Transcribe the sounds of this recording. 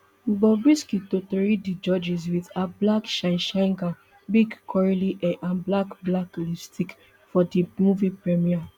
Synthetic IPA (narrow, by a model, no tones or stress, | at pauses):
bɔbɹiskitotɔɹidid͡ʒɔd͡ʒis̬witablakʃãɪʃãŋɡa | biɡkʰɔɹiliʔɛʔãnblakblaklistʰik | fɔdimuvipɹɛmia